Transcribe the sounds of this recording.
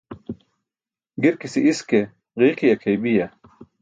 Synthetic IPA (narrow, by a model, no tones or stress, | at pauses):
ɡiɾkisiʔiske | ʁiːqiɐkʰejbijɐ